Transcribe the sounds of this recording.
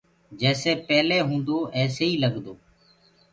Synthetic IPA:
d͡ʒɛːseːpɛːleːɦũːnd̪oːʔɛːseːiːləɡd̪oː

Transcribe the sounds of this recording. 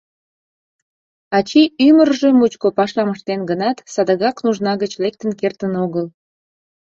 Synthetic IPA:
ɑt͡ɕiymərʒemut͡ɕkopɑʃlɑməʃt̪enɡənɑt̪sɑd̪əɣɑknuʒnɑɣət͡ɕlek̚t̪ənkert̪ənoɣəl

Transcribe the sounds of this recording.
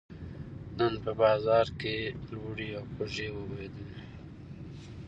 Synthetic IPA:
nənpəbɑːzɑɾkelwuɽiawxoʒewəwed̪əl

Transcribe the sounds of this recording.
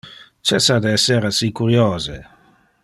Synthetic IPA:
t͡ʃɛsad̪eɛsːeɾasikuɾjoːze

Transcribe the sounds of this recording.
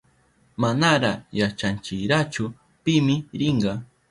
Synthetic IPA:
manaɾajat͡ʃant͡ʃɪɾat͡ʃʊ | pɪmɪɾɪɴɢɑ

